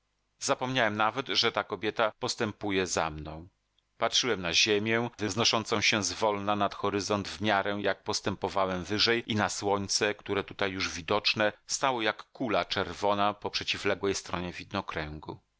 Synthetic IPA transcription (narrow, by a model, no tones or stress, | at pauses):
zapɔmɲawɛmnavɛd̪ʐɛt̪akɔbʲjɛt̪apɔst̪ɛmpujɛzamnɔ̃w̃ | patʂɘwɛmnaʑemʲjɛvɘznɔʂɔnt̪sɔ̃w̃ɕɛzvɔlnanat̪xɔɾɘzɔnd̪vmʲjaɾɛjak̚pɔst̪ɛmpɔvawɛmvɘʐɛjʔinaswɔɲt̪sɛkt̪uɾɛt̪ut̪ajːuʐvʲid̪ɔt͡ʂnɛst̪awɔjakːulat͡ʂɛɾvɔnapɔpʂɛt͡ɕiflɛɡwɛjst̪ɾɔɲɛvʲid̪nɔkɾɛŋɡṵ